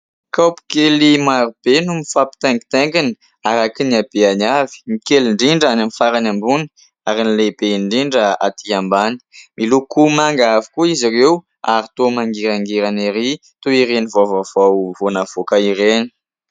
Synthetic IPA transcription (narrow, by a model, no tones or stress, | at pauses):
kawpi̥kelimaɾub̥enumifapi̥t̪ɛŋɡi̥t̪ɛŋɡini̥ | aɾakiniab̥eanavi̥mikeliɳɖ͡ʐiɳɖ͡ʐanamifaɾanambuni̥ | aɾinileb̥eiɳɖ͡ʐiɳɖ͡ʐəa̰t̪ʰiambani̥milukumaŋɡaavi̥kuizirew | aɾit̪omaŋɡiɾaŋɡeɾaniɾi | t̪oiɾenivavav̥awvonav̥okaiɾeni̥